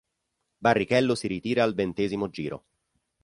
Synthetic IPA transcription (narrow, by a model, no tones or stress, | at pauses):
barːikɛlːosiɾit̪iːɾaːlvent̪eːzimod͡ʒiːɾo̰